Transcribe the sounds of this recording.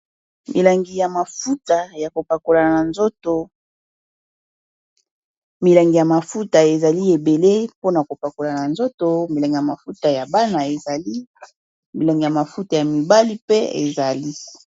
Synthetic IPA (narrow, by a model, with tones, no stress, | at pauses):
mḭ˨la˨ŋɡi˨ja˨ma˨fu˦ta˨ja˨ko˨pa˨ko˨la˨na˨nzo˦to˨ | mi˨la˨ŋɡi˨ja˨ma˨fu˦ta˨e˨za˨li˦e˨be˨le˦po˦na˨ko˨pa˨ko˨la˨na˨nzo˦to˨mi˨la˨ŋɡi˨ja˨ma˨fu˦ta˨ja˨ba˦na˨e˨za˨li˦ | mi˨la˨ŋɡi˨ja˨ma˨fu˦ta˨ja˨mi˨ba˦li˦pe˦ḛ˨za˨li˦